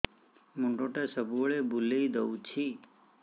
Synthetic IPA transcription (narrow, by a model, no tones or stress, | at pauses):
muɳɖõʈesəbuəɭebuleid̪əut͡ʃʰi